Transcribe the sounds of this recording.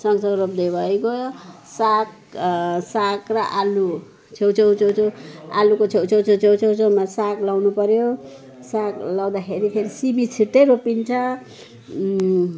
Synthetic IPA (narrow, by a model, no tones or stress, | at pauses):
sʌŋsʌɡrop̚d̪ebʱʌjko | sak | sakrʌʔalu | t͡sʰewt͡sʰewt͡sʰewt͡sʰoa̰lukot͡sʰjewt͡sʰewt͡sʰowt͡sʰewt͡sʰowt͡sʰemasaklawnupʌɾjo | saklaw̃d̪akʰeɾikʰeɾisibit͡sʰiʈːeɾopint͡sʰʌ